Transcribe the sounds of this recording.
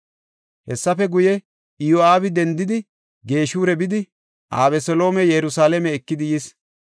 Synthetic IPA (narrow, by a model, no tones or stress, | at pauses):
hɛsːɐfɛɡʊjɛ | ɪjoaːbɪd̪ɛnd̪ɪd̪ɪ | ɡe̞ːʃuːɾɛbɪd̪ɪ | ʔaːβɛsɔlo̞ːmɛjɛɾʊsaːlɛmɛːkːɪd̪ɪjɪs